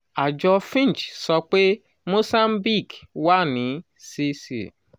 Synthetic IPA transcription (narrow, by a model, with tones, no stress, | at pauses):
a˨d͡ʒɔ˦fĩ˦n˨t͡ʃsɔ˦k͡pe˦ | mo˦sa˦m̩˦bi˦˨kwa˦ni˨˦ | si˦sḭ˨